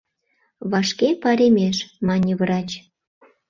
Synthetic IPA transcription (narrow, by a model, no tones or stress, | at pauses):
βɑʃkepɑɾʲemʲeʃmɑnʲiβɾɑt͡ɕ